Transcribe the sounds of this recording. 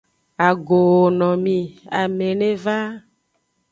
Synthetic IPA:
a˨ɡo˨wo˨nɔ̃˨mĩ˨a˨mẽ˨nẽ˦va˦

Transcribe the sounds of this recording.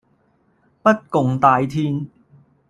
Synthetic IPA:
pɐ˥t̚kʊ˨ŋt̪aː˧jt̪ʰiː˧˥n

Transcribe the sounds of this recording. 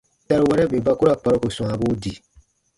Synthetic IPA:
da˨ɾo˨wɛ˦ɾɛ˦be˨ba˦ku˦ɾa˦˨k͡pa˨ɾo˦ko˨sɔ̃˨a˨bo˦di˨

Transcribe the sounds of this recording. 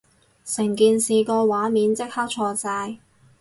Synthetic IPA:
sɪ˨˩ŋkiː˨nsiː˨kɔː˧waː˨˥miː˨˥nt͡sɪ˥k̚hɐ˥k̚t͡ʃʰɔː˧t͡saː˧j

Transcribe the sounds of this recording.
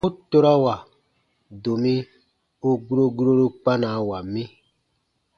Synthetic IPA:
u˦to˦ɾa˦wa˨ | do˨mĩ˦ | u˦ɡu˦ɾo˦ɡu˦ɾo˦ɾo˦k͡pa˦na˨˦wa˨mĩ˦

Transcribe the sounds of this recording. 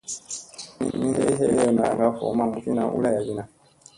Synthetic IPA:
mḭ˦˨mĩ˦he˦i˦ɦe˦jɛ˦˨na˨ŋɡa˦fɔ̰˨˦mã˦˨u˦fi˦nã˨ʔṵ˦la˦ja˨d͡ʒi˦nã˨

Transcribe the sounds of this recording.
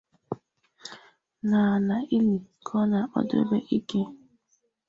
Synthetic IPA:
na˨na˨i˦li˨kʰɔ˦na˨k͡pɔ̰˦dɾḛ˦be˦ʔi˦ke˦

